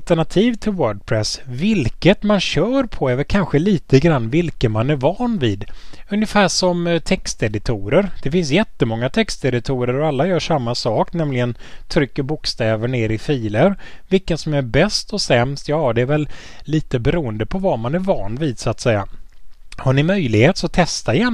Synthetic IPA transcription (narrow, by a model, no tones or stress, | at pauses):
t̪əɳat̪ʰiːvt̪ʰɪlwœːɖ̚pʰɾɛsvɪlkət̪manɕœːɾpʰɔɛvəɾkʰanɧəliːt̪əɡɾanːvɪlkənmanæɾvɑːnviːd̪ɵnjəfæːʂɔmt̪ʰɛkst̪ɛd̪ɪt̪ʰuːɾəɾd̪̥ɛfɪns̬jɛt̪ːəmɔŋːat̪ʰɛkst̪ɛd̪ɪt̪ʰuːɾəɾɔalːajœːʂamːasɑːknɛmlɪɡənt̪ʰɾʏkːəɾbʊkst̪ɛːvəɳeːɾɪfiːləɾvɪlkənsɔmæɾbɛst̪ɔsɛmst̪jɑːd̪ɛːɾvɛlːiːt̪əbɛɾuːənd̪əpʰɔvamanæɾvɑːnviːd̪sʊat̪sɛjːa̰ | haɳɪmœjlɪɡheːt̪sɔt̪ʰɛst̪aɪjɛnː